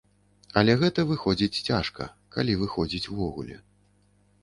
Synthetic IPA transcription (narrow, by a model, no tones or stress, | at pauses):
ɐlʲɛɣɛt̪ɐvɨxɔd͡zʲit͡sʲt͡sʲaʂkɐ̰ | kalʲivɨxɔd͡zʲit͡sʲwvɔɣṵlʲɛ̰